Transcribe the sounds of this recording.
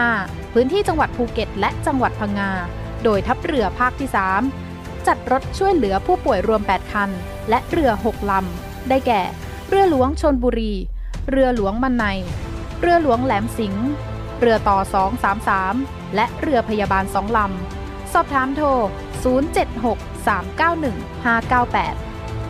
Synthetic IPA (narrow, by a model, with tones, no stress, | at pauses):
aː˥˩ | pʰɯː˦˥nt̪ʰiː˥˩t͡ɕa˧ŋwa˨˩t̪̚pʰuː˧ke˨˩t̪̚lɛ˦˥ʔt͡ɕa˧ŋwa˨˩t̪̚pʰa˧ŋːaː˧ | doː˧jt̪ʰa˦˥p̚ɾɯ˧ɐpʰaː˥˩k̚t̪ʰiː˥˩saː˩˦m | t͡ɕa˨˩t̪̚ɾo˦˥t̪̚t͡ɕʰu˥˩əjlɯ˩˦ɐpʰuː˥˩pu˨˩əjɾu˧əmpɛː˨˩t̪̚kʰa˧n | lɛ˦˥ʔɾɯ˧ɐɦo˨˩k̚la˧m | daː˥˩jkɛː˨˩ | ɾɯ˧ɐlu˨˩˦əŋt͡ɕʰo˧nbuː˧ɾiː˧ | ɾɯ˧ɐlu˨˩˦əŋma˧nːa˧j | ɾɯ˧ɐlu˨˩˦əŋlɛː˩˦msi˩˦ŋ | ɾɯ˧ɐt̪ɔː˨˩sɔː˩˦ŋsaː˩˦msaː˩˦m | lɛ˦˥ʔɾɯ˧ɐpʰa˧jaː˧baː˧nsɔː˩˦ŋla˧m | sɔː˨˩p̚t̪ʰaː˩˦mt̪ʰoː˧˩ | suː˨˩˦nt͡ɕe˨˩t̪̚ɦo˨˩k̚saː˩˦mkaː˥˩wnɯ˨˩ŋ | haː˥˩kaː˥˩wpɛ̰ː˨˩t̪̚